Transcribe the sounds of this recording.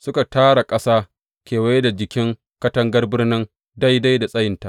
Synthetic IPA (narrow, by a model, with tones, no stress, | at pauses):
sʊ˦ka˨taː˦ɽa˨kʼɐ˦saː˦ | kʲeː˨wa˦jda˨d͡ʒɪ˨kʲɪ˦ŋ | kɐ˦tɐ˦ŋɡɐ˦rbɪ˦rnɪ˦ŋ | da˦jda˦jda˨sʼɐ˦jɪ˨nta˦ʔ